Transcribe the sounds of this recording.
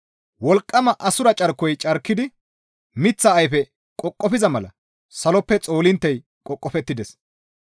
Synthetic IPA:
wɔlkʼːɐmɐʔɐsʊɾɐt͡ʃʼɐɾkːɔjt͡ʃʼɐɾkːɪd̪ɪ | mɪt͡sːɐːjfɛ | kʼɔkʼːɔfɪzɐmɐlɐ̰ | sɐlɔpːɛt͡sʼo̞ːlɪnt̪ːɛj | kʼɔkʼːɔfɛt̪ːɪd̪ɛs

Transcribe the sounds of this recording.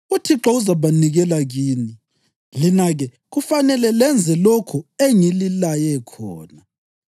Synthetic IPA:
utʰiǁɔuzaβaniɣɛlaɣiːni | linaɣɛ | ɣufanɛlɛlɛnd͡zʱɛlokʰueŋililajɛkʰɔ̰ːna

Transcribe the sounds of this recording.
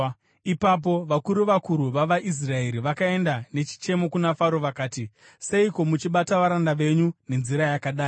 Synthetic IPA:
ipap̬o̞ʋakuɾuʋakuɾuʋaʋaʔis̬rae̞ɾiʋakae̞ndane̞t͡ʃi̥t͡ʃe̞mo̞kunafaɾo̞ʋakaːti | se̞iko̞mut͡ʃiɓataʋaɾandaʋe̞ɲune̞nziɾajakaɗaːi

